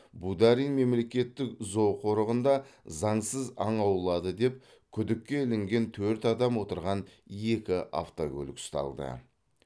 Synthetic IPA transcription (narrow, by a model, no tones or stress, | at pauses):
bud̪aɾijnme̞mle̞kʲe̞t̪ːɪkzo̞wqʰo̞ɾəʁənd̪ɑzɑɴsəzɑɴɑwlˠɑd̪əd̪e̞p̚ | kʲʰʏd̪ɪkʲːe̞ɪlɪŋɡʲe̞nt̪ʰɵɾt̪ɑd̪ɑmwo̞t̪əɾʁɑne̞kʲɪʔa̰ft̪o̰kʲʰɵ̰lʲɪkst̪ɑ̰lˠd̪ə̰